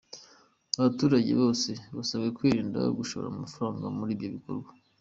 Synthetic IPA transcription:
aβatuːɾaɟe̞̰βo̞ːse̞βasaβɡekwiːɾiːnda̰jo̰ɡuʃoβo̰ɾa̰mumafaɾaːŋɡamuɾiːbɟo̞βikoɾɡwa

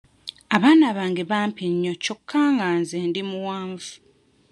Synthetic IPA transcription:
aβaːnaβaːŋɡeβaːmpiɲːocokʰːaːŋɡaːnzeːndimuwaːɱvu̥

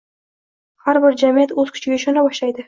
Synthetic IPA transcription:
haɾbɪɾd͡ʒamijat̪ɵz̥kʲʰʊ̥t͡ʃʰɪɡʲeɪʃɒnɑbɒʃlˠɑjd̪ɪ

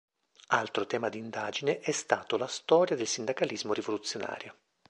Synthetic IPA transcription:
alt̪ɾot̪ɛːmad̪ind̪aːd͡ʒineʔɛst̪aːt̪olast̪ɔːɾjad̪elsind̪akalizmorivolut̪sːjona̰ːɾja

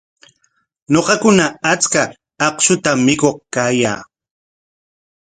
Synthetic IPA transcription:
noqɑkʊnaat͡ska | ɑqʃʊt̪amːɪkoχkaːja̰ː

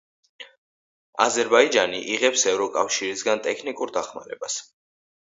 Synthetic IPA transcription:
a̰zɛɾbaid͡ʒaniʔiʁɛpsɛvɾɔkʼafʃiɾisɡant̪ʼɛkʰnikʼuɾd̪aχma̰ɾɛbas

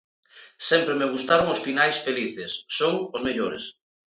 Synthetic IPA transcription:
sɛmpɾemeɣ̞ust̪aɾʊŋʊsfinajsfeliθɪsːoŋʊzmeʎoɾɪ̰s

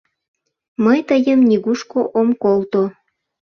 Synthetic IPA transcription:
məjt̪əjəmnʲiɣuʃkoʔomkolt̪o

